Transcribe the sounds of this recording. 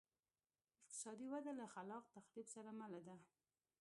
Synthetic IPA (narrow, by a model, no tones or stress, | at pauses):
ɪq̚t̪ɪ̥sɑd̪iwad̪alaxalɑq̚t̪axlibsaɾamalad̪a